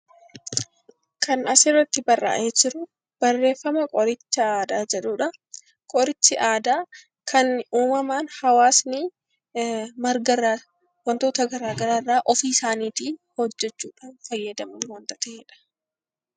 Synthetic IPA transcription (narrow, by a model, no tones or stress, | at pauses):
kʰɐnɐsɪrːɐt̪ːɪbɐrːʔa̰ːʔeːd͡ʒɪɾʊ | b̥ɐrːe̞ːfːɐmɐkʼɔɾɪt͡ʃːɐaːd̪aːd͡ʒɛᶑuːᶑɐ | kʼɔɾɪt͡ʃːɪʔaːd̪aː | kʰɐnɪuːmɐmaːnhɐwaːsnɪ | mɐɾɡɐɾa | wɐnt̪oːt̪ɐɡɐɾaːɡɐɾaːrːaːʔɔfiːsaːniːt̪iːhɔd͡ʒːɛt͡ʃːuːᶑaːnfɐjːɐd̪ɐmɐnwɐnt̪ɐt̪ɐʔeːᶑɐ̥